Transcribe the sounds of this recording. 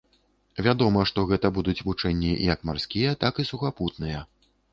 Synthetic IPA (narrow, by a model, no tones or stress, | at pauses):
vʲad̪ɔmɐʂt̪ɔɣɛt̪ɐbud̪ut͡sʲvut͡ʂɛnʲːijɐkmarskʲijɐt̪akisuxaput̪̚nɨjɐ